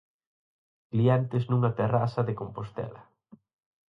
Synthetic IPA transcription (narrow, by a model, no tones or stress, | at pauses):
kliɛnt̪ɪznuŋɐt̪erasɐðekompost̪ɛ̰lɐ̰